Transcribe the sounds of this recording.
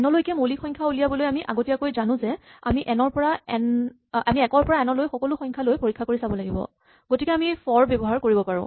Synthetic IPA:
ɛnɔlojkɛmolixɔjŋkʰaulijabɔlojamiʔa̰ɡotiakojzanʊ̃zɛa̰miʔɛnɔɹpɔɹaɛn | a̰miɛkɔɹpɔɹaɛnɔlojxɔkɔlʊxɔ̃jɲkʰalojpoɹikʰːakoɹisabɔlaɡibɔ̰ | ɡ̥otikɛamifɔɹbɔbɔɦaɹkoɹibɔpaɹʊ̰̃

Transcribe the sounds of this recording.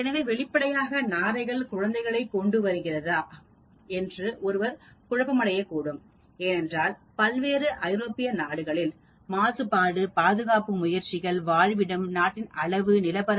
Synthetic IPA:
ɛnɐʋeːʋɛɭɪpːɐɽɐjaːɣɐnaːɾɐɪɣɐɭkʊɻɐnd̪ɐɪɣɐɭɐɪkːɔɳɖɯʋɐɾɯɣɪrɐðaː | ɛndrɯʔɔɾɯʋɐɾkʊɻɐbɐmɐɽɐjɐkːuːɽɯm | eːnɛndraːl | pɐlʋeːɾɯʔɐɪɾoːpɪjɐnaːɽɯɣɐɭɪl | maːsɯpːaːɽɯpaːðɯɣaːpɯmʊjɐɾt͡ʃɪɣɐɭʋaːɻʋɪɽɯmnaːʈːɪnɐɭɐʋɯnɪlɐpɐɾ

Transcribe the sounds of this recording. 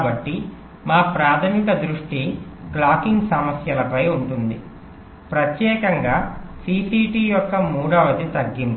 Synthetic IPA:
bɐʈːi | maːpɾaːt̪ʰɐmikɐd̪ɾuʂʈiklaːkiŋɡsɐmɐsjɐlɐpɐjuɳʈund̪i | pɾɐt̪jɛːkɐŋɡaːsiːsiːʈiːjɔkːɐmuːɽɐʋɐd̪it̪ɐɡːimp

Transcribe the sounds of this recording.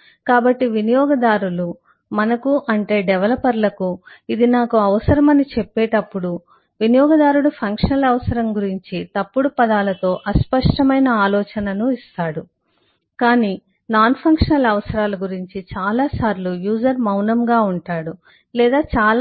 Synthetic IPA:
kaːbɐʈːiʋinijɔːɡɐd̪aːɾulu | mɐnɐkuʔɐɳʈe̞ːɖɛʋɐlɐpːɐɾlɐkuid̪inaːkuɐʋɐsɐɾɐmɐnit͡ʃɛpːɛːʈɐpːuɽu | ʋinijɔːɡɐd̪aːɾuɽupʰɐŋkʂɐnɐlɐʋɐsɐɾɐmɡuɾiɲt͡ʃit̪ɐpːuɽupɐd̪aːlɐt̪o̞ːʔɐspɐʂʈɐmɐjnɐaːlɔːt͡ʃɐnɐnuist̪aːɽu | kaːniː | naːnpʰɐŋkʂɐnɐlɐʋɐsɐɾaːluɡuɾiɲt͡ʃit͡ʃaːlaːsaːɾlujuːd͡ʒɐɾmɐwnɐmɡaːuɳʈaːɽu | lɛːd̪aːt͡ʃaːl

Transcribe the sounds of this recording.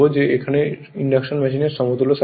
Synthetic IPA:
od͡ʑeekʰane | iɳɖakʃonmɛʃineɾʃɔmot̪uloʃa

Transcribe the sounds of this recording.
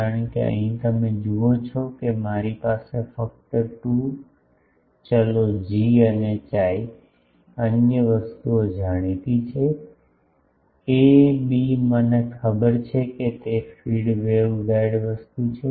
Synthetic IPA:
kaɾəə̃keə̰ɦĩt̪əmẽd͡ʒuot͡ʃʰɔkemaɾipasefək̚t̪əʈũ | t͡ʃəlod͡ʒiənet͡ʃai | ənjəʋəst̪uod͡ʒaɽ̃it̪it͡ʃʰe | ebimənekʰəbəɾt͡ʃʰeket̪efiɽʋeʋʋɛɽʋəst̪ut͡ʃʰe

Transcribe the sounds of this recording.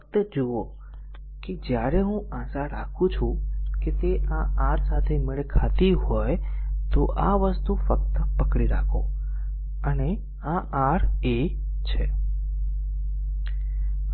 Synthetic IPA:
əkt̪əd͡ʒuo | ked͡ʒjaɾeɦũãsaɾakʰũt͡ʃʰũket̪eãʔãɾsat̪ʰemeɭekʰat̪iɦojt̪oʔaʋəst̪ufək̚t̪əpəkɽiɾakʰo̰ | əne | ãʔãɾe | t͡ʃʰe

